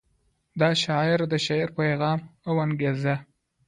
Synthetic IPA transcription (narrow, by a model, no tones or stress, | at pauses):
d̪ɑʃɑɪɾd̪əʃaɾpajɣɑmawanɡeza